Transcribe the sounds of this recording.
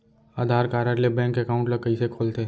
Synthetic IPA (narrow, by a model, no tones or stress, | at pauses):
aːd̪ʱaːɾkaːɾəɾlebɛ̃ːŋkɛkaːʊ̃ɳʈlɐkəisekʰoːlt̪eː